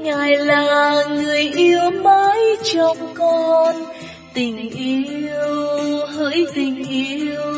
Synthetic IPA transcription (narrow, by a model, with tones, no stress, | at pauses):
ŋaː˨˩jlaː˨˩ŋɨ˨˩əjʔi˧əwməː˧˦jt͡ɕɔ˧˩ŋ͡mkɔ˧n | t̪ï˨˩ŋ̟ʔi˧əwwhə̰ː˧˥jt̪ï˨˩ŋ̟ʔi˧w